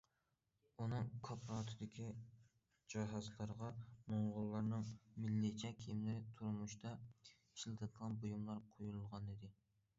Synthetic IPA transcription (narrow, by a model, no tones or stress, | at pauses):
unɨŋkʰɑpʰɾɑt̪ʰɨd̪ɪkʲʰi | d͡ʒɑɦɑzlˠɑɾʁɑmoɴʁʊlˠːɑɾnɨŋmɪlːɪt͡ʃʰɛkʲʰijimlɪɾɪt̪ʰuɾmuʃt̪ɑ | iʃlˠɨt̪ʰɨd̪ʰəlˠɑnbojumlˠɑɾqʰojulˠʁɑnɪd̪ɪ